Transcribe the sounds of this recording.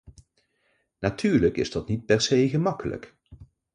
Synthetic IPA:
natʰyːɹləkɪ̰zdɑtnit̚pɛɹsejɣəmɑkələ̰k

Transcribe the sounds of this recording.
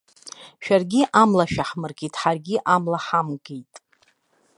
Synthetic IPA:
ʃᶣarɡʲiʔamlaʃᶣaħmɨrɡʲitʼħarɡʲiʔamlaħamɡejtʼ

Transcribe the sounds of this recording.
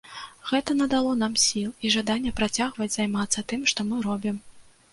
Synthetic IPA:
ɣɛt̪ɐnɐd̪alˠɔnamsʲilˠiʐad̪anʲːɛpɾat͡sʲaɣvɐd͡zʲzajmat̪sːɐt̪ɨmʂt̪ɔmɨɾɔbʲim

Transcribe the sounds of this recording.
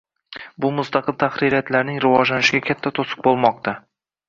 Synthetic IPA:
bʊmʊst̪ɑqɨlˠt̪ʰaχɾiɾijat̪laɾnɪŋɾɪvɒd͡ʒlanɪʃɪɡʲakʲʰat̪ʰːat̪ʰosɨ̥q̚bolˠmɒq̚t̪ʰa

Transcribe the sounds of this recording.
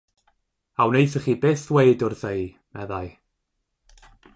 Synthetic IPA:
awnejθəχiːbeːθwejdʊrðej | mɛðaj

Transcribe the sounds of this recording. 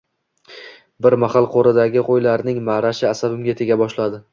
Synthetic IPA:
bɪɾmahalˠqʰoɾɪd̪aɡʲɪqʰojlaɾnɪŋmaɾaʃɪasabɪmɡʲat̪ʰe̞ɡʲabɒʃlad̪ɪ

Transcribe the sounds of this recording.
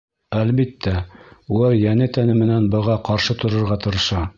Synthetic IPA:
ælbit̪ːæulˠɑɾjænɘt̪ænɘmɘ̆nænbɤ̆ʁɑqɑɾʃɤt̪ŏɾŏɾʁɑt̪ɤ̆ɾɤ̆ʃɑ

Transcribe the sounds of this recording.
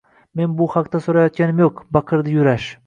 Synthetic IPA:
me̞nbʊhaqt̪asoɾajɒt̪̚kʲanɪmjoqbɑqʰɨɾd̪ɪjʊɾaʃ

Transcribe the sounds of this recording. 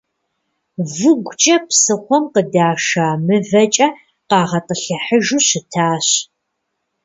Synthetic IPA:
vɨɡʷt͡ʃʼɐpsɨχʷɔmqədaːʂaːmɨvɐt͡ʃʼɐ | qɑːʁɐtʼəɬɨħəʒuːɕɪtʰaːɕ

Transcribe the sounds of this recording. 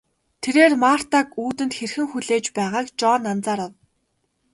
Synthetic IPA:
t̪ʰeɾeːrmar̥t̪akuːt̪ɘ̆nt̪xerxɘ̆ŋxuɮeːt͡ɕpæːʁaːkt͡ɕɔːnːant͡saːɾɔw

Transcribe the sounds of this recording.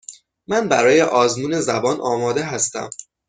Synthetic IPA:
mænbæɾɒːje̞ʔɒːzmuːne̞zæbɒːnʔɒːmɒːd̪e̞ɦæst̪æ̰m

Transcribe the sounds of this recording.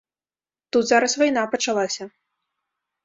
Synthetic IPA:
t̪ut̪zaɾɐsvajn̪apɐt͡ʂalˠasʲɐ

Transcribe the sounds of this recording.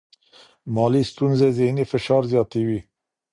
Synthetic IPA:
mɑːlist̪unzezenefəʃɑːɾzjɑːt̪iwi

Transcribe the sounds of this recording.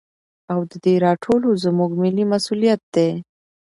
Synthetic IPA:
awd̪əd̪eɾɑʈʰolozəmuɡmilimasulijat̪̚d̪e

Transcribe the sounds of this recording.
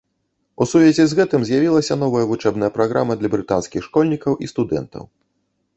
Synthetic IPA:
usuvʲɛzʲɛzɣɛt̪ɨmzʲjavʲilˠɐsʲɐn̪ɔvɐjɐvut͡ʂɛbnɐjɐpɾaɣɾamɐd̪lʲɐbɾɨt̪anskʲixʂkɔlʲnʲikɐwʔist̪ud̪ɛ̰nt̪ɐ̰w

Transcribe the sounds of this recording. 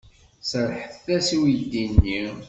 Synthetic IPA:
səɾħəθæsiwid̪inːi

